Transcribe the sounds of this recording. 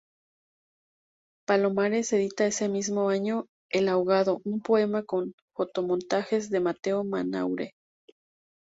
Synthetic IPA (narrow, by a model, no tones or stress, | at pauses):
palo̞maɾe̞se̞ðit̪ae̞se̞mizmo̞aɲo̞ | elawɣaðo̞ʔumpo̞e̞mako̞n | fo̞t̪o̞mont̪axe̞zðe̞mat̪e̞omana̰wɾe̞